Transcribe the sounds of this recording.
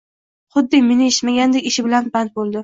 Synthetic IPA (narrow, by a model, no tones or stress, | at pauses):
χʊd̪ːɪmenɪɪʃmaɡʲand̪ekʲɪʃɪbɪlanbant̪̚bolˠd̪ɪ